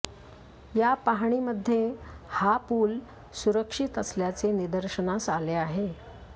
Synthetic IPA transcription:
japaɦɳ̃iməd̪ʱːjehapuːl | suɾəkʂit̪əsljat͡senid̪əɾɕənasaleaɦe

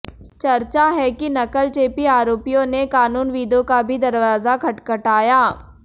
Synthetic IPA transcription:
t͡ʃɐɾt͡ʃaɦɛkinɐkəlt͡ʃeːpiaːɾoːpijõnekaːnuːnʋiːd̪õkabʱid̪ɐɾʋaːzakʰɐʈkɐʈaːjaː

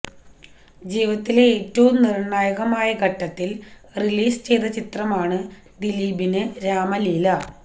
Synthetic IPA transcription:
d͡ʑiːʋɐt̪ːile̞eːtːɐʋumnirɳaːjɐɣɐmaːjɐɡʱɐʈːɐt̪ːilriliːsɨ̥t͡ɕe̞jd̪ɐt͡ɕit̪rɐmaːɳɨ | d̪iliːbinɨɾaːmɐliːlɐ

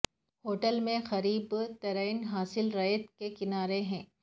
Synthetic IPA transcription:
hoːʈəlmẽxɐɾiːbt̪ɐɾəɪnɦaːsɪlɾɐt̪kekɪnaːɾeɦɛ̃ː

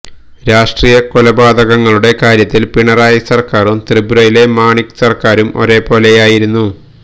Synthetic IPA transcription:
ɾaːʂʈriːjɐkolɐbaːd̪ɐɣɐŋːɐɭuɽe̞kaːɾjɐt̪ːilpiɳɐraːjɐsɐrkaːrumt̪ribuɾɐjile̞maːɳiksɐrkaːɾumo̞̰ɾe̞ːpo̞ːle̞jaːjiɾunːu

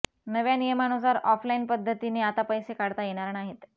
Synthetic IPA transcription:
nəʋjanijəmanusaɾɔflainpəd̪ʱːət̪iniːat̪apəjsekaɽt̪ajeɽ̃aɾnaɦet̪

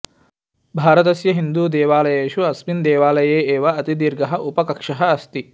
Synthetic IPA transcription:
bʱaːɾɐt̪̬ɐsjɐɦind̪uːd̪ɛːʋaːlɐjeːʃuɐsmind̪ɛːʋaːlɐjeːeːʋɐɐt̪id̪iɾɡɐɦɐʔupɐkɐkʂɐɦɐːst̪i

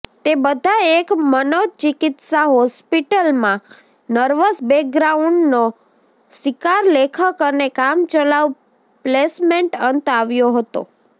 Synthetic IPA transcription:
t̪ebəd̪ʱaekmənod̪̚t͡ʃɪkɪt̪saɦɔspiʈəlmã | nəɾʋəsbek̚ɡɾauɳɖno | sɪkaɾlekʰəkənekamt͡ʃəlaʋ | plesmẽɳʈənt̪aʋjoɦət̪o̰

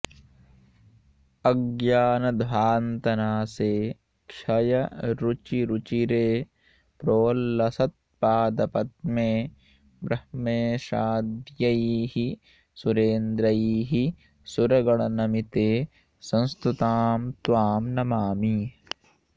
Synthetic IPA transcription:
ɐɡjaːnɐd̪ʱʋaːnt̪ɐnaːseː | kʃɐjɐɾut͡ʃiɾut͡ʃiɾeː | pɾoːlːɐsɐt̪̚paːd̪ɐpɐt̪̚mẽː | bɾɐhmeːʃaːd̪jɐiɦi | suɾeːnd̪ɾɐiːɦi | suɾɐɡɐɽɐnɐmit̪eː | sɐ̃nst̪ut̪aːmt̪ʋaːmnɐmaːmi

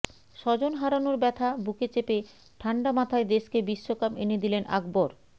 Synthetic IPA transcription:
ʃɔd͡ʑonɦaɾanoɾbɛt̪ʰabuket͡ɕepe | ʈʰaɳɖamat̪ʰaed̪eʃkebiʃːokapened̪ilenʔa̰ɡboɾ

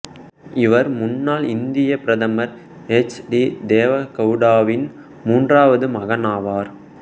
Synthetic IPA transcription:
ɪʋɐɾmʊnːaːlɪnd̪ɪjɐpɪɾɐðɐmɐɾ | ɛt͡ʃɖid̪eːʋɐkɐʊɽaːʋɪn | muːndraːʋɐðɯmɐɣɐnaːʋaːɾ

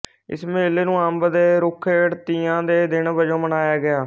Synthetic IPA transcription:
ɪ̰smeːleːnũːəmbd̪eːɾʊkʰeəɽt̪iːãːd̪eːd̪ɪnbəd͡ʒõːmənaːjaːɡɪaː

